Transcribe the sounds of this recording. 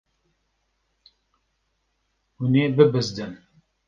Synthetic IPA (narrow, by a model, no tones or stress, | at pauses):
huneːbɨbɨzd̪ɨm